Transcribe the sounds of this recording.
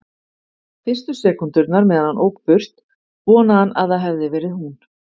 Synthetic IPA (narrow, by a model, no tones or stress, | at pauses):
fɪr̥st̪ʏsɛːkʏnt̪ʏɾt̪naɾmɛːðanhanʔoːwkfʏr̥t̪ | vɔːnahanʔa̰ðaðɦɛvðɪvɛːɾɪðhɦun